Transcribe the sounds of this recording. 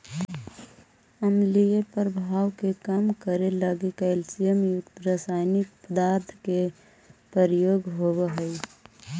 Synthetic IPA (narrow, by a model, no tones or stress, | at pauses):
əmlijepəɾbʱaːwkekamkəɾeləɡekəɪlsijəmjʊkt̪ɾaːsaːɪnɪk̚pəd̪aːɾt̪ʰke | pɾəɾjoːɡɦobeɦəj